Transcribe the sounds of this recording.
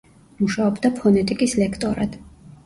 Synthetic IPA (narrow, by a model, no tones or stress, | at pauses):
muʃaɔbd̪apʰɔnɛt̪ʼikʼislɛkʰt̪ʼɔɾad̪̥